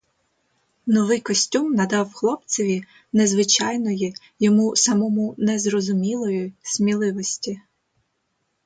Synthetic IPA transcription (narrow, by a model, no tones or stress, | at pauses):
nɔʋɪjkɔsʲtʲumnɐd̪ɑwxlˠɔpt͡sʲɔʋʲi | nezʋɪt͡ʃɑjnɔji | jɔmusɐmɔmunɛzrɔzʊmʲilˠɔjʊsʲmʲilˠɪʋɔsʲtʲi